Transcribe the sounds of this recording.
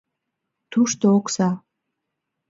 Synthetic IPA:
t̪uʃt̪ooksɑ

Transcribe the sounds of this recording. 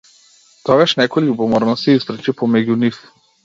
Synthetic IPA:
t̪ɔɡaʃnɛkɔjʎubɔmɔɾnɔst̪iispɾɛt͡ʃipɔmɛɟunif

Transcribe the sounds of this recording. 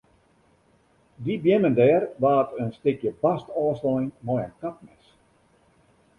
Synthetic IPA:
dibjɛməndɛːrʋaːtʰənstɪkjəbastɔːsɔɪŋmɔjənkap̚nɛs

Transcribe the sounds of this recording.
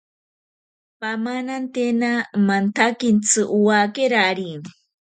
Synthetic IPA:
pamanant̪enamant̪ʰakint͡sʰɨʔuwakeɾaɾin

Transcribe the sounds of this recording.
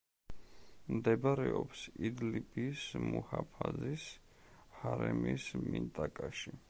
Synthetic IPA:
md̪ɛbaɾɛɔpsid̪lipʼismuhapʰazis | haɾɛmismint̪ʼakʼaʃi

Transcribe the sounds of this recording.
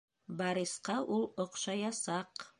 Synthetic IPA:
bɑɾisqɑʔulˠŏqʃɑjɑsɑq

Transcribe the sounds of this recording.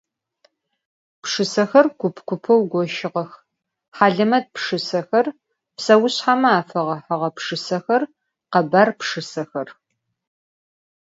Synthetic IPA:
pʂɨsɐxɐrɡʷʊpʰkʷʊpʰɐwɡʷɔʃɪʁɐx | ħaːɮɐmɐd̚pʂɨsɐxɐr | psɐwʊɕħamɐaːfɐʁɐħɐʁɐpʂɨsɐxɐr | qɐbaːrpʂɨsɐxɐr

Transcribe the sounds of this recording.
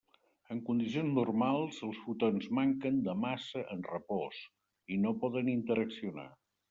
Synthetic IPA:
əŋkund̪is̬ionznurmalˠzəlˠsfut̪onzmaŋkənd̪əmasəʔənrəpɔs | inopɔðənint̪əɾəksiuna̰

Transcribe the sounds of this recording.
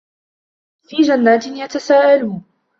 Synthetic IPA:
fiːd͡ʒanːaːt̪ɪnjat̪asaːʔaluːn

